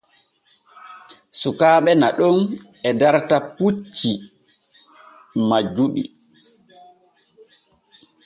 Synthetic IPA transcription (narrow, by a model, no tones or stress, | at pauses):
sukaːɓɛnaɗɔn | ɛdaɾtaput͡ʃːi | mad͡ʒuɗḭ